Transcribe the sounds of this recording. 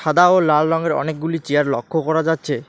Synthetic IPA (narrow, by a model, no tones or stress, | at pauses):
ʃad̪aolalɾɔŋɡeɾɔ̰nek̚ɡulit͡ɕeaɾlɔ̰kʰːokɔɾad͡ʑatːɕʰe